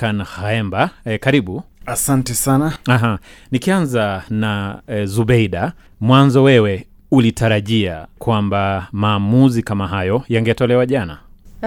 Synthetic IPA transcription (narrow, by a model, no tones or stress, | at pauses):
kanhaɛmbakaɾiɓuasantɛsanaaɦa | nikianzanazuɓɛjɗa | mwanzɔwɛwɛ | ulitaɾaʄiakwambamaːmuzikamaɦajɔjaŋɡɛtɔlɛwaʄana